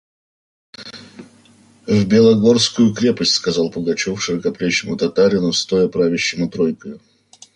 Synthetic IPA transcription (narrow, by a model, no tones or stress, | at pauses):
vʲbʲɪlˠɐɡo̞rskʊjʊkɾʲe̞pəsʲtʲskɐzɑlˠpəɡɐt͡ɕofʂɨəkɐplʲeɕːɪmʊt̪ɐt̪aɾʲɪnʊst̪o̞jəpɾavʲɪɕːɪmʊt̪ɾojkəjʊ